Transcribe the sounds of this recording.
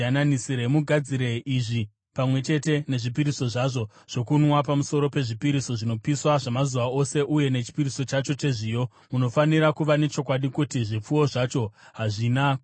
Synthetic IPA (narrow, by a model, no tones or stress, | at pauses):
ananisiɾemuɡʱad͡ziɾe̞ʔiʐi | pamwe̞t͡ʃe̞te̞ne̞ʐipiɾiso̞ʐaʐo̞ | ʐ̥o̞kunwapamuso̞ɾo̞pe̞ʐipiɾiso̞ʐino̞piswaʐamazuʋao̞se̞ʔuje̞ne̞t͡ʃi̥piɾiso̞t͡ʃat͡ʃo̞t͡ʃe̞ʐiːjo̞ | muno̞faniɾakuʋane̞t͡ʃo̞k̬waɗikutiʐip͡fuwo̞ʐat͡ʃo̞ɦaʐina